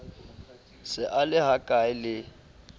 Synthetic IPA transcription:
sɪʔalɪɦakʼaɪlɪ

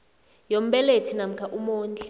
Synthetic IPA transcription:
jom̩ɓɛletʰinam̩kʰaʔumuːnt͡ɬʼɛ

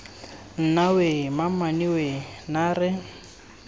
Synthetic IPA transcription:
n̩nawemamaniwenaːrɪ

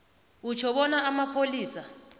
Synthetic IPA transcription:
ut͡ʃʰɔɓɔnaːmapʰoliːsa

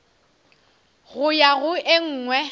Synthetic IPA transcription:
ɣʊjaɣʊʔɪŋ̩ːŋwɛ

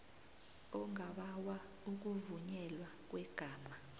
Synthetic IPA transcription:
ɔŋaɓawa | uk̬uvuɲɛlwak̬wɛɡ̥ʱaːma

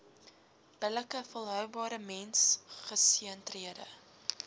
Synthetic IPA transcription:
b̥ələkəfəlˠɦœwbɑːɾəmɛnsχəsiəntriədə̰

